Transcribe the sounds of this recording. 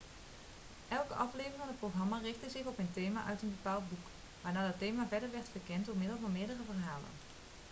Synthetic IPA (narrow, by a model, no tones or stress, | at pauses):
ʔɛlˠkəʔɑflejvərŋəndəproχrɑmaːrɪχtəzɪχɔpəntejmaːʔœɥtənbəpaːlˠd̚buk | ʋaːɹnaːdɑtejmaːvɛɹdəɹʋɛɹtfəɹkɛntdʊːɹmɪdəlˠvɑnmɪːɹdərəvərɦaːlə̰n